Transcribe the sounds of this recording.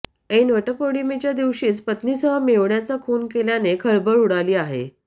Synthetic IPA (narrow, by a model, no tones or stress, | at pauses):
enʋəʈəkoɽimet͡ɕjad̪iʋɕiːt͡spət̪niːsəɦəmeʋɳjat͡sakʰoːnkeljanekʰəɭbəɭuɽaliːaɦḛ